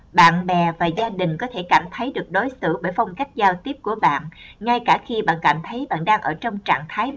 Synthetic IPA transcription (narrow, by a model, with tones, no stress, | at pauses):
ɓa̰ː˧˨nɓɛ˨˩vaː˨˩zaː˧ɗï˨˩ŋ̟kɔ˨˦t̪ʰe˧˩kaː˧˩mt̪ʰə˨˦jɗɨ˨˩ək̚ɗo˨˦jsɨ̰˧˩ɓəː˧˩jfɔ˧wŋ͡mka˦˥jk̟̚zaː˧wt̪i˦˥əp̚ku˧˩əɓa̰ː˧˨nŋa˧jkaː˧˩xi˧ɓa̰ː˧˨nka̰˧˩mt̪ʰə˨˦jɓa̰ː˧˨nɗaː˧ŋʔəː˧˩t͡ɕɔ˧wŋ͡mt͡ɕa̰ː˧˨ŋt̪ʰaː˨˦j